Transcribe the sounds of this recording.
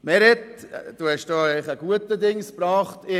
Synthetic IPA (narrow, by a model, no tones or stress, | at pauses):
mɛɾɛt̪ | d̥uːhɛʃd̥oːeɪχəɡ̥uət̪əd̪ɪŋspɾɑːχt̪ɪ